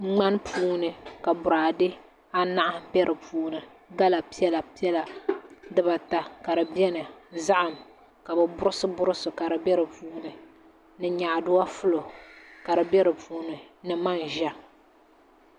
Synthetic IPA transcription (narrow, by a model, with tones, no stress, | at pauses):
ŋ͡ma˦npʰuː˦nɨ˨ka˨bʊ˨ɾaː˨dɨ˦ | a˦na˦ʔa˦bɛ˦ɾɨ˨puː˨˦nɨ˨ | ɡa˦la˨pi˦ɛ˦la˨pi˦ɛ˦la˨dɨ˦ba˨ta˨ka˨ɾɨ˨bɛ˦nɨ˨za˦ʔa˨m | ka˨bɨ˨bʊ˦ɾɨ˦sɨ˦bʊ˦ɾɨ˦sʊ˨ka˨ɾɨ˨bɛ˦ɾɨ˨puː˦nɨ˨ | nɨ˨ɲa˨ʔdʊ˦wa˦fʊ˦lo˨ka˨ɾɨ˨bɛ˦ɾɨ˨pʰuː˦nɨ˨nɨ˨ma˦nʒa˦